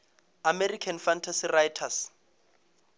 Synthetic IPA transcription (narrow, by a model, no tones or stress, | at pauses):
amerikʰanfantʰasirajtʰas